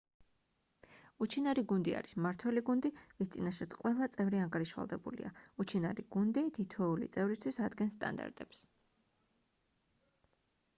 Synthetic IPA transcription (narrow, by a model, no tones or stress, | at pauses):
ut͡ʃʰinaɾiɡund̪ia̰ɾismaɾt̪ʰwɛliɡund̪ivist̪sʼinaʃat̪sʰqʼwɛlˠat̪sʼɛvɾiaŋɡaɾiʃwa̰lˠd̪ɛbṵlḭaut͡ʃʰinaɾiɡ̥und̪it̪ʰit̪ʰɛulḭt̪sʼɛvɾist̪ʰwisad̪ɡɛnst̪ʼa̰nd̪a̰ɾt̪ʼɛps